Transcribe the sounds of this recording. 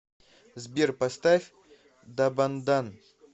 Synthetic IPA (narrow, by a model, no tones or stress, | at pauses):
zbʲerpɐst̪afʲ | d̪ɐband̪an